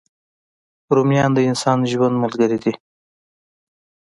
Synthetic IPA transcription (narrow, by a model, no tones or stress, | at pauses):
ɾomjɑnd̪əɪnsɑnʒwand̪malɡəɾid̪i